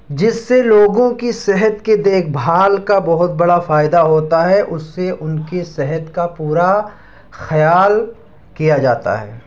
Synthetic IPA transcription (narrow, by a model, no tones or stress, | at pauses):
d͡ʒɪsːeloːɡõkisɛɦət̪ked̪eːkʰbʱaːlkabɐɦʊt̪̚bɐɽafaːɪd̪aɦoːt̪aɦɛʔʊsːeʔʊnkesɛɦət̪kapuːɾa | xɐjaːl | kijad͡ʒaːt̪a̰ɦɛ̰ː